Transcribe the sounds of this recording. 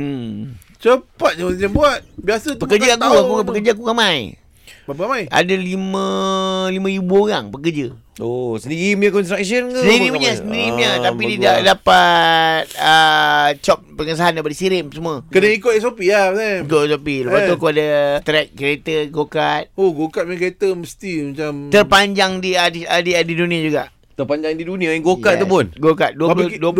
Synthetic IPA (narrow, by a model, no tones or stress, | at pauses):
t͡ʃəpat̪̚ɲaaabuat̪̚biasət̪əkərd͡ʒaakuakuapəkərd͡ʒaak̬ukamaj | bapakamaja̰dalimə̃limãibuoɣaŋpəkərd͡ʒəosəndiɾimɲakɔnstɾaksənksəndiɾimaɲasəndiɾimɲat̪apididaʔdapat̪̚ət͡ʃɔp̚pəŋəs̬aɦandapadisiɾɪmsəmuakənəikoʔɛs̬opiahpnaikoɛsopiləpat̪ukoadət̪ɾɛk̚ket̪əɡokat̪̚oɡokat̪̚mkəɾet̪əməst̪imat͡ʃamt̪ərpaɲd͡ʒaŋdiadadiadidunĩad͡ʒuɡaʔ | t̪ərpaɲd͡ʒaŋdidunĩaɛŋɡokat̪̚t̪ːəpʊnɡokat̪̚duəpduə